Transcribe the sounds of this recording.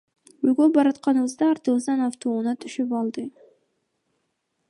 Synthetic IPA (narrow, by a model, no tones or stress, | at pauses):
øjɡøbɑɾɑt̪qɑnɯβɯzd̪ɑːɾt̪ɯβɯzd̪ɑnɑft̪oːunɑt̪ʰyʃypɑlˠd̪ɯ